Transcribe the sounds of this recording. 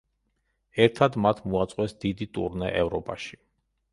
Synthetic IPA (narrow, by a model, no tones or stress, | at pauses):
ɛɾt̪ʰad̪mat̪ʰmuat̪sʼqʼwɛsd̪̥id̪it̪ʼṵɾnɛ̰ʔɛvɾɔpʼaʃi̥